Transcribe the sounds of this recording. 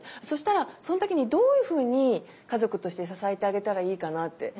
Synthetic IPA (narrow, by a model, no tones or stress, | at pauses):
so̞ɕi̥t̪aɾaso̞not̪o̞kʲiɲ̟id̪o̞ːjɯ̟ːɸɯ̟ːɲ̟i | kazo̞kɯ̟t̪o̞ɕi̥t̪e̞sasaet̪e̞aɡe̞t̪aɾaiːkanat̪ːe̞̰